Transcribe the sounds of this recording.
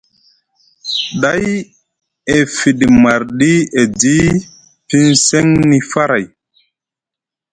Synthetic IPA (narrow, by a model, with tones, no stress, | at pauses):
ɗa˦j | e˨fi˨ɗma˨ɾɗi˦e˨di˦ | pi˦nse˦ŋni˦fa˦ɾa˨j